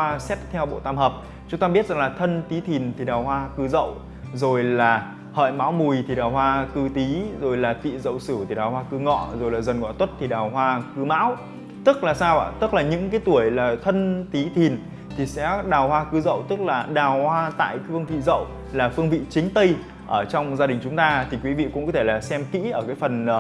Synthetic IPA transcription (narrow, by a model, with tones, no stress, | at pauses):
aː˧sɛ˦˥p̚t̪ʰɛ˧wɓo̰˧˨t̪aː˧mhəː˨˩p̚ | t͡ɕʊ˨˦ŋ͡mt̪aː˧ɓi˦˥ət̚zŋlaː˨˩t̪ʰə˧nt̪i˨˦t̪ʰi˨˩nt̪ʰi˨˩ɗaː˨˩whwaː˧kɨ˨˦zə̰˧˨w | zo˨˩jlaː˨˩ | hə̰ː˧˨jma̰ː˧˥wmu˨˩jt̪ʰi˨˩ɗaː˨˩wɦwaː˧kɨ˧t̪i˨˦zo˨˩jlaː˨˩t̪ḭ˧˨zə̰˧˨wsɨ˧˩t̪ʰi˨˩ɗaː˨˩whwaː˧kɨ˨˦ŋɔ̰˧˨zo˨˩jlaː˨˩zə˨˩nŋɔ̰˧˨t̪wə˦˥t̚t̪ʰi˨˩ɗaː˨˩wɦwaː˧kɨ˨˦ma̰ː˧˥w | t̪ɨ˦˥k̚laː˨˩saː˧wʔa̰ː˧˩t̪ɨ˦˥k̚laː˨˩ɲɨ̰˧˥ŋkaː˨˦jt̪u˧˩əjlaː˨˩t̪ʰə˧nt̪i˨˦t̪ʰi˨˩ən | t̪ʰi˨˩sɛ̰˧˥ɗaː˨˩whwaː˧kɨ˨˦zə̰˧˨wt̪ɨ˦˥k̚laː˨˩ɗaː˨˩whwaː˧t̪a̰ː˧˨jfɨ˧əŋvḭ˧˨zə̰˧˨w | laː˨˩fɨ˧əŋvḭ˧˨t͡ɕï˨˦ŋ̟t̪ə˧j | ʔəː˧˩t͡ɕɔ˧wŋ͡mzaː˧ɗï˨˩ŋ̟t͡ɕʊ˨˦ŋ͡mt̪aː˧t̪ʰi˨˩kwi˨˦vḭ˧˨kʊ̰˧˥ŋ͡mkɔ˨˦t̪ʰe˧˩laː˨˩sɛ˧mkḭ˧˥ʔəː˧˩kaː˨˦jfə˨˩n˨˩